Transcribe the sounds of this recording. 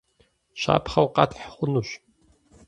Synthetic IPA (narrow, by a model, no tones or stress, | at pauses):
ɕa̰ːpχɐwqɑtʰħχʷʊnuːɕ